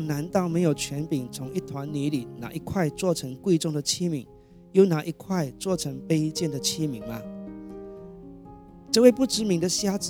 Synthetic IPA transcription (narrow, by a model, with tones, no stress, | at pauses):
ŋna˧˥nt̪ɑ˥˩ʊme˧˥ɪjo˨˩ʊt͡ɕʰɥɛ˧˥npi˨˩ŋt͡sʰʊ˧˥ŋi˥˩t̪ʰwa˧˦nny˧˥li˨˩˦na̰˨˩ʔi˧kʰwa˥˧ɪt͡swɔ˥˩ʈ͡ʂʰɤ˧˥ŋkwe˥˧ɪʈ͡ʂʊ˥˩ŋd̪ə˩t͡ɕʰi˥mi˨˩˦ŋ | jo˥˧˩ʊna˨˩ʔi˧˥kʰwa˥˧ɪt͡swɔ˥˩ʈ͡ʂʰɤ˧˥ŋpe˥ɪt͡ɕjɛ˥˩nd̪ə˩t͡ɕʰi˥mi˨˩˦ŋlɐ˧ | ʈ͡ʂɤ˥˧we˥˧ɪpu˥˩ʈ͡ʂɻ̩˧˥mi˧˥ŋd̪ə˧ɕja˥t͡s